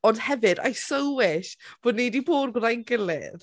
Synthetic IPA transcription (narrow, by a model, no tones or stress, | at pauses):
ɔndhɛvɨda̰jsəwwɪʃb̥oːdnejdiboːdɡrajnɡəlɪ̰ð